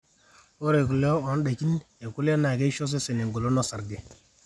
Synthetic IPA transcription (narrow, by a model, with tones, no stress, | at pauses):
o˦ɾe˨ku˨lo˦o˨˦n˦ɗa˨ki˦ne˨ku˦lo˦na˨ke˦ʃo˦s̬e˦se˨ne˨ŋɡo˨lo˦no˦sa˨ɾɡe˨